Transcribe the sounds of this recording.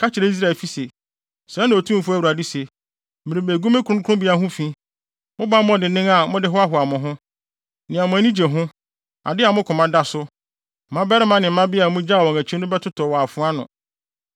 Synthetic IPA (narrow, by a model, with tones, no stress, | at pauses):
kʰa˦t͡ɕʰɪ˨ɾe˦i˦s̬ɾa˦ɛ˨lfi˦se˨ | sɾɛ̃˦nã˨o˨tʰũ˦m̩˨fʊ˦æ˦wu˨ɾa˨di˦se˨ | mɪ̃˨ɾĩ˨be˨ɡu˦mɪ̃˦kʰɾʊ̃˦kʰʊ̃˦bɪ˦a˨ɦʊ̃˦fĩ˦ | mʊ̃˦ba˦mɔ̃˦dɪ˨nɪ̃˦ŋa˨mʊ̃˦dɪ˦ɦɔ˦a˦ɦʊ˨a˨mʊ̃˨ɦʊ̃˦ | nɪ̃˨a˨mʊ̃˨æ˨nĩ˦d͡ʑe˨ɦʊ̃˦ | a̰˨dɪ˦a˨mʊ̃˦kʰʊ̃˨mã˦da˦sʊ˦˨ | mã˦bɛ˦ɾɪ˦mã˦nɪ̃˨m̩˦mã˦bɪ˦a˨mʊ̃˦d͡ʑa˦˨wɔ̃˨ŋæ˨t͡ɕʰi˦nʊ̃˦bɛ˦tʰʊ˦tʰɔ˨wɔ˨a˨fʊ̃˦a˦nʊ̰̃˨